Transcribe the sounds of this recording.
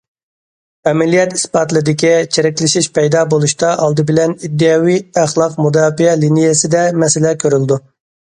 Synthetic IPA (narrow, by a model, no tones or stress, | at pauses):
ɛmɛlijɛt̪i̥sbɑt̪lˠɨd̪ɪkʲit͡ʃʰeɾɛkʲlɪʃiʃpɛjd̪ɑːbolˠuʃt̪ɑʔɑlˠd̪ɨbɪlɛnid̪ːɨjɑːwijæχlˠɑqmud̪ɑːfiɛlinijesɪd̪ɛmɛsɪlɛkʲʰøɾyld̪u